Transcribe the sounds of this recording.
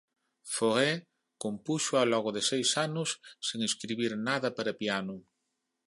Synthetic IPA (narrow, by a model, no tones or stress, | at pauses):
foɣe | kompuʃʊalɔɣʊðɪsejsanʊsːeŋeskɾiβiɾnaðɐpaɾɐpianʊ